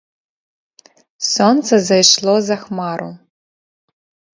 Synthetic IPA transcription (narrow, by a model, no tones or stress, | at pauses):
sɔnt̪sɐzɐjʃlˠɔzɐxmaɾṵ